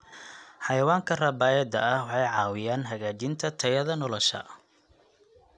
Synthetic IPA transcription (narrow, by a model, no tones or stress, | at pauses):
ħɑjɐwaːŋkʰɐrɐbaːjɛd̪ɐɐhwɑħɑjʕɑːwɪjaːnɦɐɣaːt͡ʃɪnt̪ʰɐt̪ʰɐjɐðɐnɔlɔʃɐ̰